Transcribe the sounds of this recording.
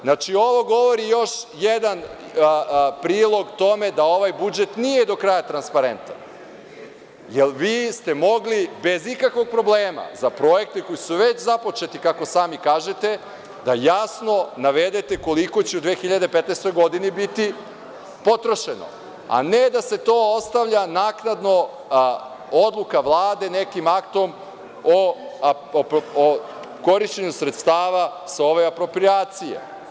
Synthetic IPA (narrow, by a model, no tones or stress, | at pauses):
znat͡ʃio̞ʋo̞ɡo̞ʋo̞ɾijo̞ʃjed̪an | pɾiːlˠo̞ɡt̪o̞me̞d̪ao̞ʋajbud͡ʒet̪nijed̪o̞kɾajat̪ɾanspaɾe̞nt̪a̰ | jelˠʋiːst̪e̞mo̞ɡlibezikakʋo̞ɡ̚pɾo̞bleːma̰zapɾojek̚t̪eko̞jisuʋet͡ɕzapo̞t͡ʃe̞t̪ikako̞saːmikaːʒet̪e̞ | d̪̥ajasno̞naʋe̞d̪et̪e̞ko̞liko̞t͡ɕeud̪ʋeːxiʎad̪epet̪neːst̪o̞jɡo̞d̪inibit̪i | po̞t̪ɾo̞ʃe̞no̰ | a̰ne̞d̪ase̞t̪oːost̪aʋʎanaːknad̪no̞ | od̪lˠukaʋlˠaːd̪e̞ne̞kimakt̪o̞m | o | ko̞ɾiʃt͡ɕeɲusɾet̪st̪aːʋasao̞ʋe̞apɾo̞pɾijaːt̪sijḛ